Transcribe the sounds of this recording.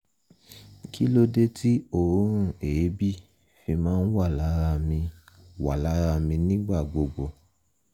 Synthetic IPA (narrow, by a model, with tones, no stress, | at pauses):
ki˦lo˧de˦ti˦o˦˨ɾũ˦ɾ̃ũ˦˨e˨˦bi˦˨ | fi˧mãː˦n̩˦wa˦˨la˨˦ɾa˦˨mĩ˧wa˨la˨˦ɾa˦˨mĩ˧nĩ˦ɡ͡ba˦˨ɡ͡bo˨˧ɡ͡bo˧˨